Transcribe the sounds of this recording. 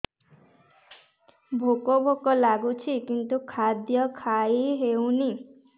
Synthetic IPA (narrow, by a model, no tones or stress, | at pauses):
bʱokɔbʱokɔlaɡut͡ʃʰikint̪ukʰad̪jɔkʰaiɦewni